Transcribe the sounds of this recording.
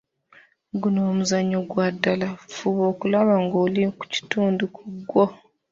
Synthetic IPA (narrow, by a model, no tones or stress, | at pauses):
ɡunoːmuzaɲoɡwadːalafuβo̞ːkulaβaŋɡoːliku̥ci̥tuːndukuɡːwo